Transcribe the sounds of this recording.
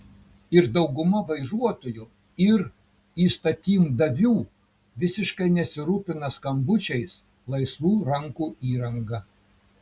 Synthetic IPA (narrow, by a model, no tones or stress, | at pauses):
ɪɾd̪ɒʊɡʊmɐʋɐɪʒuɔt̪oːju | ɪɾ | iːst̪ɐt̪ʲiːmd̪ɐʋʲuː | ʋʲɪsʲɪʃkɐɪnʲɛsʲɪɾuːpʲɪnɐskɐmbʊt͡ʃʲɛɪs | lˠɐɪsʋuːɾɐŋkuːiːɾɐŋɡɐ